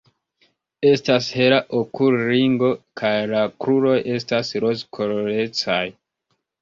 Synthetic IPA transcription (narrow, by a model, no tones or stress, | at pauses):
e̞stashe̞ɾaʔokulɾiŋɡo̞kʰajlakɾuɾo̞jʔe̞stasɾozkʰoloɾe̞t͡saj